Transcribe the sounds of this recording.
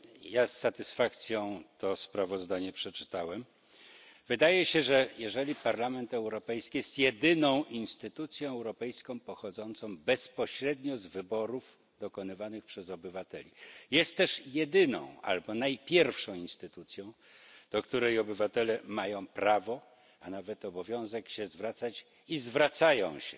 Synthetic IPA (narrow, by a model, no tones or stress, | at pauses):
jasːat̪ɘsfak̚t̪sʲjɔ̃w̃t̪ɔspɾavɔzd̪aɲɛpʂɛt͡ʂɘ̥t̪awɛm | vɘd̪ajɛɕɛʐɛjɛʐɛlʲipaɾlamɛnt̪ɛwɾɔpɛjskʲijɛst̪jɛd̪ɘnɔ̃w̃ʔinst̪ɘt̪ut̪sʲjɔ̃w̃ɛwɾɔpɛjskɔ̃w̃pɔxɔd̪zɔnt̪sɔ̃w̃bɛspɔɕɾɛd̪ɲɔzvɘbɔɾuf | d̪ɔkɔnɘvanɘxpʂɛzɔbɘvat̪ɛlʲijɛst̪ːɛʂjɛd̪ɘnɔ̰̃w̃a̰lbɔnajpʲjɛɾfʂɔ̃w̃inst̪ɘt̪ut̪sʲjɔ̃w̃ | d̪̥ɔkt̪uɾɛjɔbɘvat̪ɛlɛmajɔ̃w̃pɾavɔ | anavɛt̪ɔbɔvʲjɔ̃w̃zɛkɕɛzvɾat̪sat͡ɕ | izvɾat̪sajɔ̰̃w̃ɕɛ